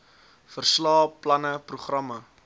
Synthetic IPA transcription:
fərslɑːplɐnəpruχrɐmə

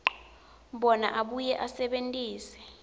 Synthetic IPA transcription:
ɓɔna̰ʔaɓujɛʔasɛɓentʼiːsɛ̥

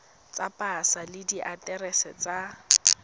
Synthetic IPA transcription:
t͡sapʼasalɪdiʔatʼɛrɛsɛt͡sa

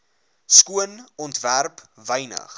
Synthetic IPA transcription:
skuənɔntværpvəjnə̰χ

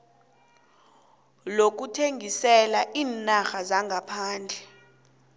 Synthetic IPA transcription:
lok̬utʰeŋʱisɛlaʔiːnaxazaŋɡʱapʰaːnd͡ɮʱɛ

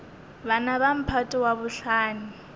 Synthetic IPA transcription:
βanaβam̩pʰatʼɪwaβʊɬaːni

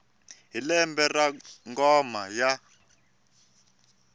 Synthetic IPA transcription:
ɦilɛmbɛraŋɡɔmaja

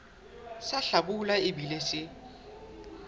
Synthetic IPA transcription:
saɬabulaɪbilesɪ

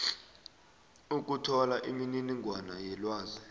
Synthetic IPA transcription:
uk̬ʼutʰɔlaʔimininiŋʱwanajɛlwaːzɛ

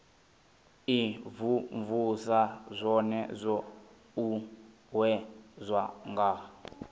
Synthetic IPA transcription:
ivuɱvusazʷɔnɛzʷɔ | u | ɦwɛzʷaŋɡa

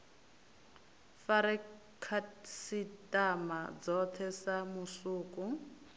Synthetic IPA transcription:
faɾɛ | kʰasitʼamad͡zɔtʰɛsamusuːku

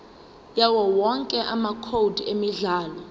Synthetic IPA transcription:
jawɔwɔŋkʼɛʔamakʰowdʱemiɮaːlɔ

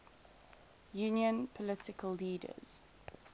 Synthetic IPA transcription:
juːnjə̃npʰɔlɪtɪkəlːiːdə̰z̥

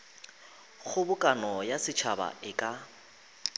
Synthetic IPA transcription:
χʊbʊkʼanɔjasɪt͡ʃʰaba̰ʔɪkʼa

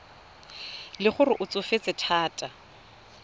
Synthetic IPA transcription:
lɪχʊrɪʔʊt͡sʼʊfet͡sʼɪtʰaːtʼa

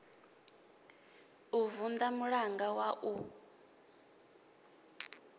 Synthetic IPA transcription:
uvund̪amuɺaŋɡawaʔu

